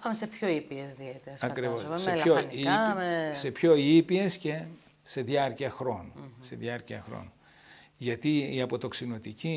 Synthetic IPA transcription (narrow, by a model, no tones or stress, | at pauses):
ɐmesepçoipiezðiet̪eɾɐsɐkɾivossseoise̞pço̞ipie̞sce | se̞ðjɐɾciɐxɾo̞nuse̞ðjɐɾciɐxɾo̰nu | ʝɐt̪iiɐpo̞t̪o̞ksino̞t̪ici